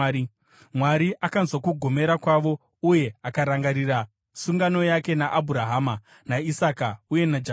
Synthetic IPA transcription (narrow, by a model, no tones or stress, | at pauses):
mwaɾiʔakanzwakuɡʱo̞me̞ɾakwaʋo̞ | uje̞akaɾaŋɡaɾira | suŋɡano̞jake̞naʔːbʱuɾaɦaːma | naisakauje̞nad͡ʒa